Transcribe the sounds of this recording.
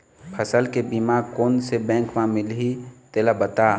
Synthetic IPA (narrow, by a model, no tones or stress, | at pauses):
pʰəsəlkebimaːkoːnsebɛ̃ːŋkmãmɪlɦit̪eːlabət̪aː